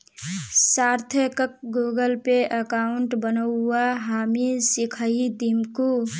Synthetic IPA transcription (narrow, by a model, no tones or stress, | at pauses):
saːɾt̪ʰəkək̚ɡoːɡəlpeʔəkaːʊɳʈbənəaɦaːmisikʰəid̪imku